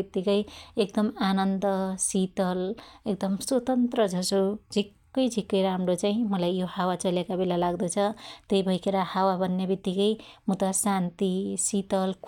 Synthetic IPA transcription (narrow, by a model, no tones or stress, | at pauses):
it̪ːikʌjek̚d̪ʌmanʌnd̪ʌsit̪ʌlek̚d̪ʌmswʌt̪ʌnt̪rʌd͡zʱʌsod͡zʱikːʌjd͡zʱikːʌjɾamrot͡saĩmʌlajjohawat͡sʌljekabelalaɡd̪ʌt͡sʰʌt̪ʌjbʱʌjkʰeɾahawabʱʌnːebit̪ːikʌjmut̪asant̪isit̪ʌlk